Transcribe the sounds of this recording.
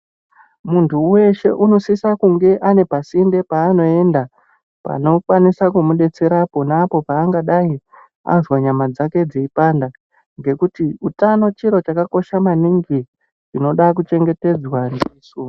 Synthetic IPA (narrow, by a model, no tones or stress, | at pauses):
muntʰuwe̞ʃe̞ʔuno̞sisakuŋɡe̞ʔane̞pasinde̞paːno̞e̞nda | pa̰no̞kwanisakumuɗe̞t͡se̞ɾapo̞naːpo̞paːŋɡaɗai | a̰zwaɲamad͡zake̞d͡zeipaːnda | ŋɡe̞kutiutano̞t͡ʃiɾo̞t͡ʃakako̞ʃamaniŋɡi | rino̞ɗak̬ut͡ʃe̞ŋɡe̞te̞d͡zwandiːsu